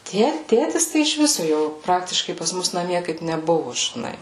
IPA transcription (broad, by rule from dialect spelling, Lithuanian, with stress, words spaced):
ˈtʲiɛ ˈtʲeːtʲɪs ˈtɐɪ ɪʃ ˈʋʲɪsʊ ˈjoː ˈprɑːktʲɪʃkɐɪ pɐs ˈmʊs nɐˈmʲiɛ kɐɪp nʲɛˈbʊʋʊ ʒʲɪˈnɐɪ